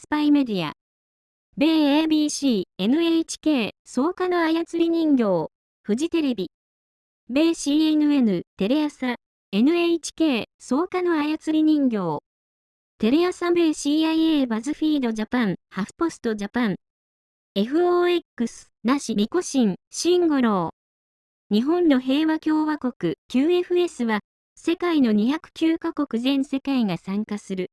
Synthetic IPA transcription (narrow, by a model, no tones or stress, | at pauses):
sɨ̥paime̞d̪ʲia̰ | be̞ːeːbʲiːɕiːe̞nɯ̟eit͡ɕi̥ke̞ːso̞ːkano̞ajat͡sɨɾʲiɲ̟ĩŋɡʲo̞ː | ɸɯ̟ʑit̪e̞ɾe̞bʲi | be̞ːɕiːenɯ̟e̞nɯ̟t̪e̞ɾe̞jasa | e̞nɯ̟eit͡ɕi̥ke̞ːso̞ːkano̞ajat͡sɨɾʲiɲ̟ĩŋɡʲo̞ː | t̪e̞ɾe̞jasabe̞ːɕiːaieːbazɨɸʲiːd̪o̞ʑapãɴhaɸɯ̟̥po̞sɨ̥t̪o̞d͡ʑapãŋ | e̞ɸɯ̟oːekːɯsɨ̥naɕimʲiko̞ɕĩŋɕĩŋɡo̞ɾo̞ː | ɲ̟iɦõ̞nːo̞ɦe̞ːβakʲo̞ːβako̞kɯ̟kʲɨːe̞ɸɯ̟e̞sɨβa | se̞kaino̞ɲ̟içakɯ̟̥kʲɨːkako̞kɯ̟zẽ̞ɰ̃se̞kaiŋasãŋkasɨɾɯ̟